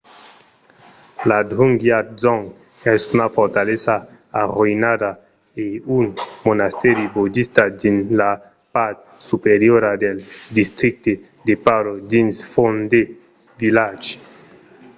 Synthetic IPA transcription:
laduŋɡjazɔŋ | ɛsunafoɾt̪alet͡saː | ʁoinada | eunmonast̪eɾibod͡ʒist̪adinla | paɾt̪̚ | supeɾjoɾadeldist̪ɾik̚t̪e | d̪epaɾodinsfond̪e | vilad͡ʒi̥

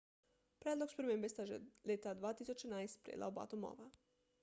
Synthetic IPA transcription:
pɾʲed̪lˠoɡspɾemembest̪aʒḛlet̪ad̪ʋaːt̪isut͡ʃeɛnaest̪pɾʲḛdla̰oba̰t̪omo̰ʋa

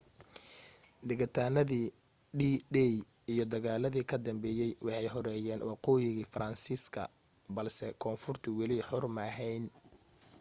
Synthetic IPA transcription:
d̪ɪɣɐt̪ʰaːnɐðiː | ɖiːɖɛj | ijɞd̪ɐɣaːlɐðiːkʰɐd̪ɐmbɛːjɛjwɑħɑjɦɔɾɛːjɛːnwɑqɔːjɪɣiːfɾɐnsiːskʰɐ̰ | bɐlsɛkʰɔːnfʊrt̪ʰɪwɪliħʊrmɐɦɛjn

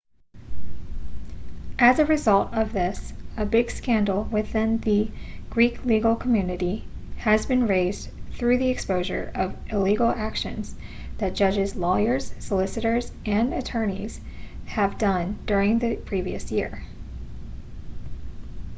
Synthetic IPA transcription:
ʔɨzɨɹɨzʌlˠtʌvðɪsɨbɪɡ̥skæ̃ndˡl̩ˠwɪθɪ̃nðɨɡ̥ɹikʰliɡl̩ˠkʰmjʉnɨɾiɨzbɨ̃nɹeɪz̥ | θɹʉðiɨkspoʊʒə̰˞ʔʌvɪliɡl̩ˠækʃɨ̰̃nz̥ | ðɨt̚d̥ʒ̥ʌd͡ʒɨzlɔɪə˞z̥səlɪsɨɾə˞zʔɨ̃nɨtʰɜ̃˞nḭz̥ɨvdʌ̃nd̥ʊɹɪ̃ŋðɨpʰɹ̥iviɨsjɪɹ

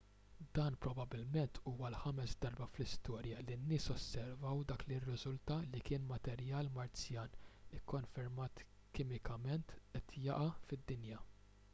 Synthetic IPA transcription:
d̪ɐːnpɾɔbɐbɪlmɛnt̪ʰuːwɐlħɐmɛsd̪ɐɾbɐflɪst̪ɔːɾjɐlinːɪːsɔsːɛɾvɐwd̪ɐːklirːɪzʊlt̪ɐlikɪːnmɐt̪ɛɾjɐːlmɐɾt͡sjɐːnɪkːɔnfɛɾmɐːt̪ | kɪːmɪkʰɐmɛnt̪ʔɛt̪ʰjɐ̰ʔɐfɪd̪ːɪnjɐ

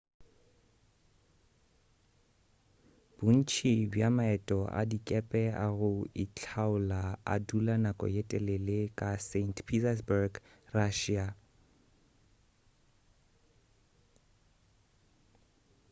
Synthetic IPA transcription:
b̥un̩t͡ʃʰibjamaɛtʼɔʔa̰dikʼɛpʼɛaɣʊit͡ɬʰaʊlaa̰dulanakʼɔ̰jɛtʼɛlɛlɪkʼasentʰpʰitas̬barɡ | raʃia

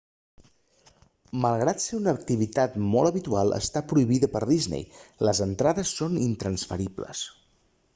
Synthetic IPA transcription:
məlˠɣɾat̪seunək̚t̪iβit̪at̪mɔlˠəβit̪ualˠə̰st̪apɾuiβiðəpəɾðiznḛjləzənt̪ɾaðəsːonint̪ɾənsfəɾiblə̰s

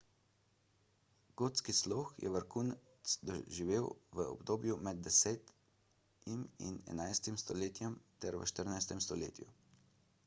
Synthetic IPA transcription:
ɡ̥oːt̪skisloːxjɛ̰ʋəɾkuːnt̪sd̪ɔʒiʋeːwʋəɔ̰bd̪oːbjumɛd̪̚d̪ɛsɛːt̪ | imḭnɛ̰najst̪imst̪ɔleːt̪jɛmt̪ɛɾʋə̰ʃt̪əɾnajst̪ɛmst̪ɔlḛːt̪ju

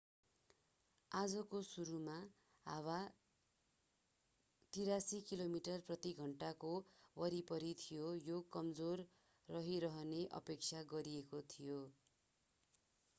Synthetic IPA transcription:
ad͡zʌkosuɾuma | ɦa̰wa | t̪iɾasikilomiʈʌrprʌt̪iɡʱʌɳʈakowʌɾipʌɾit̪ʰijojokʌmd͡zorː | ʌɦiɾʌɦʌneʔʌ̰pek̚t͡sʰaɡʌɾiekot̪ʰijo

